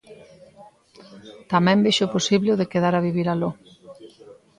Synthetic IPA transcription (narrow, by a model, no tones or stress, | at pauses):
t̪amɛ̃mbiʃoposiβleʊðekeðaɾaβiβ̞iɾalo